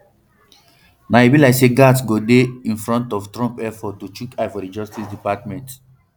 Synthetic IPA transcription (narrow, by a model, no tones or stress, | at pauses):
naebilaɪkseɡatsɡodeĩnfɹɔ̃ntɔftɹɔ̃mpɛfɔtut͡ʃukafɔdid͡ʒɔstisdipatmɛ̃nt